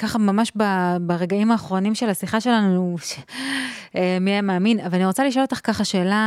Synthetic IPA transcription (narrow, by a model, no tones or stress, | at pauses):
kaχamamaʃbabaʁeɡaimaːχʁo̞nimʃe̞lasiχaʃe̞lanuuʃe | emiajameaːminavalaniʁo̞t͡saliʃolot̪aχkaχaʃe̞ːla